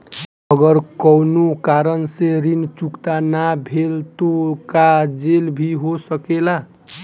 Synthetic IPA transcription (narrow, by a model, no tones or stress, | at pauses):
əɡəɾkɔwnokaɾənseɾint͡ʃukt̪anabʱelt̪okad͡ʒelbʱiɦosəkela